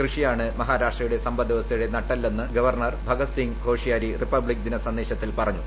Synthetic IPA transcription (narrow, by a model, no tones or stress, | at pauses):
krɨʂijaːɳɨmɐɦaːɾaːʂʈrɐjuɽe̞sɐmbɐd̪iʋɐst̪ʰɐjuɽe̞nɐʈːɐlːenːɨɡɐʋɐrɳɐrbʱɐɡɐt̪siŋɡʱo̞ːʂijaːɾiripːɐbɭik̚d̪inɐsɐnd̪e̞ːɕɐt̪ːilpɐrɐɲːu